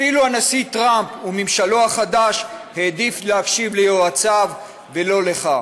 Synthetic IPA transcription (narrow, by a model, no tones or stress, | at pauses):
afiluanasit̪ʁampumimʃalo̞haχad̪aʃhe̞ːd̪iflehafʃivlejoat͡sav | velo̞le̞χa